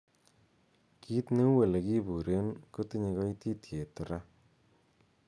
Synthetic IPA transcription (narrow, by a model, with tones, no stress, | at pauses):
kʰi˦tne˦we˨le˨ki˦bu˨ɾe˦nku˦ti˦ɲi˧kɔ˦i˦ti˦tʰje˨tu˨ɾa˦